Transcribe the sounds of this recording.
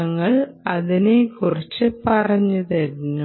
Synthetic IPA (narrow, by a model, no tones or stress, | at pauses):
ɐŋːɐɭ | ɐðinekurit͡ɕːɨpɐrɐɲːiðɐɾiɲːu